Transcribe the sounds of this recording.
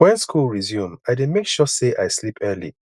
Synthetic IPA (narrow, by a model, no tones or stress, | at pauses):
wɛ̃nskʰulˠɹizjũmaɪdemekʃɔseʔaɪslipʰɜlḭ